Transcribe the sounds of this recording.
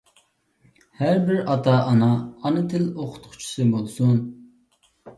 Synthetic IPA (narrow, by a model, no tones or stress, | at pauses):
hæɾbɪɾɑt̪ʰɑʔɑnɑːnɨt̪ʰɪloqʰʊ̥t̪qʰʊ̥t͡ʃʰu̥sɨbolˠsun